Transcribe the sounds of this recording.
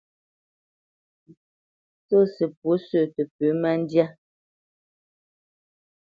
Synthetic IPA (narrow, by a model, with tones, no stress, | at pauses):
so˦˨sə˨p̚wo˨˦sə˦˨tə˨pø˨˦ma˦n˦dja˦